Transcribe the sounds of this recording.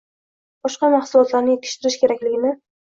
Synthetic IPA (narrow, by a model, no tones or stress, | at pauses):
b̥ɒʃqɑmaχsʊlˠɒt̪laɾnɪjet̪̚kʰɪ̥ʃt̪ɪɾɪʃkʲʰe̞ɾakʲlɪɡʲɪnɪ